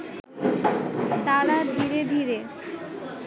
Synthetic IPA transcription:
t̪aɽad̪ʱiɾed̪ʱiɾe

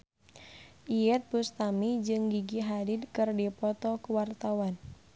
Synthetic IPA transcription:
ʔijɛt̪̚bust̪amid͡ʒɨŋɡiɡiɦadid̪kɨrdipɔt̪ɔkəwart̪awan

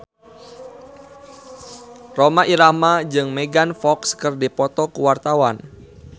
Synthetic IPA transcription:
romaʔiɾamad͡ʒɨŋmɛɡanfɔkskərdipɔt̪ɔkuwart̪awan

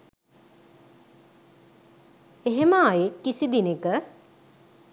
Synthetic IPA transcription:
eɦeməːjekːisid̪inekə

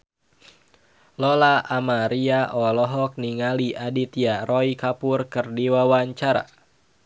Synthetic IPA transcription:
lɔlaʔamaɾiaʔɔlɔɦɔk̚niŋaliʔadit̪iarʔɔikapurkɨrdiwawaɲt͡ʃaɾa̰

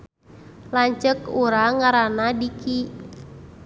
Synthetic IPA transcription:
laɲt͡ʃəkuɾaŋaɾanadiki

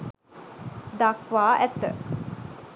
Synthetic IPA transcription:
d̪ɐkʋaːʔæt̪ə̰

